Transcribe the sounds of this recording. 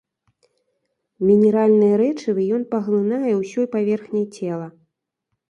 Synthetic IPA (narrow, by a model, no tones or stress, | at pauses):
mʲinʲɛɾalʲnɨjɛɾɛt͡ʂɨvɨjɔnpɐɣlˠɨnajɛwsʲɔjpavʲɛrxnʲɐjt͡sʲɛlˠɐ